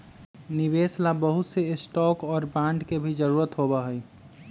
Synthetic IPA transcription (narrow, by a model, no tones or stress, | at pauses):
nɪʋeːslabəɦʊt̪seɪsʈɔːkɔːɾbãːɳɖkebʱid͡ʒəɾuːɾət̪ɦoːbaɦɛi